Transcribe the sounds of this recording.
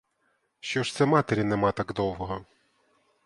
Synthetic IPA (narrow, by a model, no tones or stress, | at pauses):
ʃt͡ʃɔʃt̪sɛmɑt̪eɾʲinɛmɑt̪ɑɡd̪ɔwɦɔɦɔ